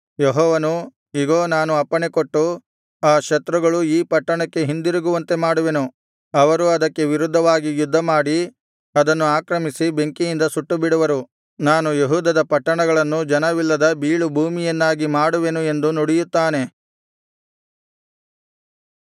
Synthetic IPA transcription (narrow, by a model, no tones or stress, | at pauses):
jeɦɔːʋɐnu | iɡoːnaːnuɐpːɐɳekoʈːu | aːʃɐt̪ɾɐɡɐɭuiːpɐʈːɐɳɐkːe̞ɦind̪iɾuɡuʋɐnt̪e̞maːɽuʋe̞nu | ɐʋɐɾuɐd̪ɐkːe̞ʋiɾud̪ʱːɐʋaːɡijud̪ʱːɐmaːɽi | ɐd̪ɐnːuaːkɾɐmisibe̞ŋkijind̪ɐsuʈːubiɽuʋɐɾu | naːnujeɦuːd̪ɐd̪ɐpɐʈːɐɳɐɡɐɭɐnːud͡ʒɐnɐʋilːɐd̪ɐbiːɭubʱuːmijɐnːaːɡimaːɽuʋe̞nue̞nd̪unoɽijut̪ːaːne̞